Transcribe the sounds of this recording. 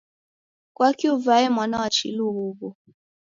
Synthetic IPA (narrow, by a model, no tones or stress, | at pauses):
kwakiuvaɛmwanawat͡ʃḭluβuβɔ